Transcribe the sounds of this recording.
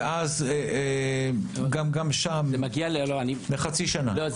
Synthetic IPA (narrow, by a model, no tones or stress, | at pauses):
ʔazee | ɡamɡamʃamemaɡialeoloanileχat͡siʃanalo